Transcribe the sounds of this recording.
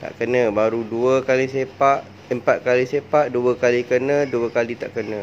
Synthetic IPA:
t̪a̰ʔkənə̃baɾuduəkalisepaʔ | əmpat̪̚kalisepaʔduəkalikənə̃duəkalit̪a̰ʔkənə̃

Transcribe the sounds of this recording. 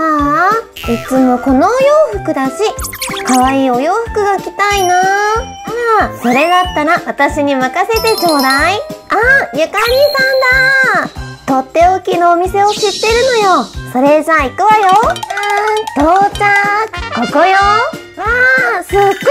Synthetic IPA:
a | it͡sɨmo̞ko̞no̞ːjoːɸɯ̟kɯ̟d̪aɕikaβaiːo̞jo̞ːɸɯ̟̥kɯ̟ɡakʲi̥t̪aina | aso̞ɾe̞d̪at̪ːaɾaβat̪aɕiɲ̟imakase̞t̪e̞t͡ɕoːd̪aiajakaɾʲisãnd̪a | t̪o̞t̪ːe̞okʲinoːmʲise̞o̞ɕit̪ːe̞ɾɯ̟no̞jo̞so̞ɾe̞d͡ʑaːikɯβajo | t̪oːt͡ɕakokojo | asɨɡ

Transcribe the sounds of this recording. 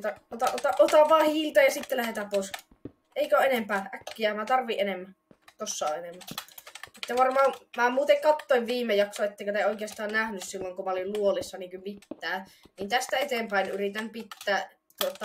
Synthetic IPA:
t̪ɑot̪ɑʔot̪ɑʔot̪ɑʋʋɑːhilt̪ɑjɑsit̪ːelæhet̪æppoˑis | ʔeikæoʔenempæːækːiæmæt̪ɑrʋiʔenemːæ | t̪osːɑo̰ʔenemːæ | et̪ːæʋɑrmɑːmæːmuːt̪eŋkɑt̪ːoˑiʋʋiːmːejɑksoet̪ːeˑikøt̪æoˑikeɑst̪ɑːnnæhnyssilːoŋkumɑolilluolisːɑniːŋkymit̪ːæː | niːnt̪æst̪æet̪eːmpæˑinyrit̪ænpit̪ːæː | t̪uot̪ːˑɑ

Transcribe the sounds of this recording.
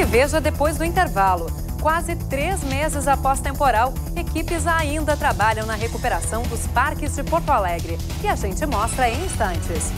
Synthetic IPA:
ɪveʒɐd̪epojzd̪ʊĩnt̪eɾvalʊ | kwazɪt̪ɾezmezɪzapɔst̪ẽmpoɾaw | ekipɪzaĩnd̪ɐt̪ɾabaʎɐ̃w̃nɐɦekupeɾasɐ̃w̃d̪ʊspaɾkɪzd͡ʒɪpoɾt̪ʊalɛɡɾɪ | ɪaʒẽnt͡ʃɪmɔst̪ɾɐẽj̃ĩst̪ɐ̃nt͡ʃɪs

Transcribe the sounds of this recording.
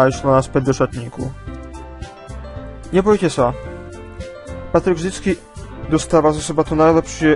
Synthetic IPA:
aiʃnanaspɛd̪ɔʂat̪ɲikṵ | ɲɛpɔjkʲɛsa | pat̪ɾɘɡʐd̪ʲit̪skʲi | d̪ɔst̪avazasɔbat̪ɔnaɾd̪apʂɛ

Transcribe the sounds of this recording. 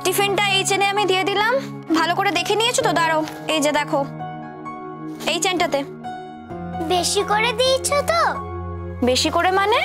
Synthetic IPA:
ʈifinʈaejt͡ɕeneamid̪ijed̪ilam | bʱalokoɾed̪ekʰenijet͡ɕʰot̪od̪aɾoejd͡ʑed̪ɛkʰo | ejt͡ɕenʈat̪e | beʃikoɾed̪ijt͡ɕʰot̪o | beʃikoɾemane

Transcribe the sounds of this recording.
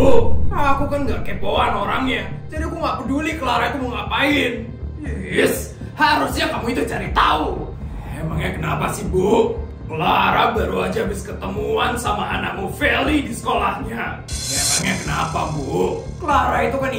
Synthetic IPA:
aːkukanɡakeboanoɾa̰ŋɲad͡ʒadiakuŋɡaʔpədulikəlaɾait̪umuŋapaɪn | ɪs | haɾʊsɲakamuit̪ut͡ʃaɾit̪au | emaŋɲakənapasɪhbuʔ | kəlaɾabaɾuad͡ʒaːbɪskət̪əmuansamaa̰na̰ʔ̚mufelidisə̥kolahɲa | emaŋɲakənapa̰buʔkəlaɾait̪ukan

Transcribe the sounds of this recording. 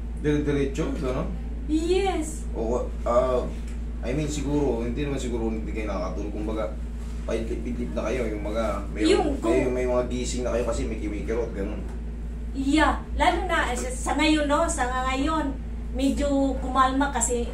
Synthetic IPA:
d̪ɛɾɛd̪ɛɾɛt͡ʃoɡɐnon | jɛs | ʔoko | a | ʔɐ̰jmɛnsɪɡuːɾo̞hɪnd̪inɐmansɪɡuːɾoʊnɪnd̪ikɐjʊnɐkakɐt̪uːlokʊmbɐɡa | pɐɪlɪpɪlɪp̚nɐkɐjojʊŋmɐɡa | mɐjjʊŋjŋmɐjmɐŋaɡiːsɪŋnɐkɐjokɐsimɐjkɪwiːkɛɾot̪̚ɡɐnon | ja | laːlʊŋnaʔ | sɐŋɐjonosɐŋaŋɐjon | mɛd͡ʒokʊmalmakɐsɛ

